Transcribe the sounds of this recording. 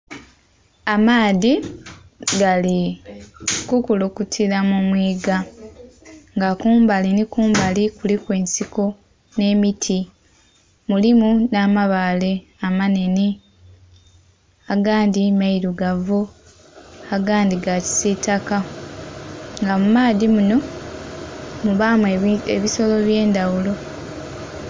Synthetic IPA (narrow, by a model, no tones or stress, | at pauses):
amaːði | ɡali | kukulokutʰiɾamumwiːɡa | ŋɡakuːmbalinikuːmbalikulikwe̞ːnsiko | ne̞ːmitʰi | mulimunaːmaβale̞ | amane̞ni | aɡaːndimaiɾuɡavu | aɡaːndiɡaci̥sitaka | ŋɡamumaːðimuno̞ | muβaːmeḛβiso̞lo̞βje̞ːndawulo̞